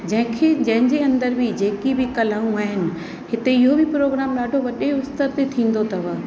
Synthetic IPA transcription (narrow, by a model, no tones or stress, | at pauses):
d͡ʑɐ̃ɦɪ̃kʰed͡ʑɐ̃ɦɪ̃ɲd͡ʑeɐ̃nd̪əɾbʱɪd͡ʑeːkibɪkɐlaːũaːɦɪnɪ̆ | hɪt̪eɪɦobɪpɾoːɡɾaːmɗaːɖʱoʋɐɗeʊst̪əɾt̪et̪ʰĩːn̆d̪ot̪ʰɐʋaː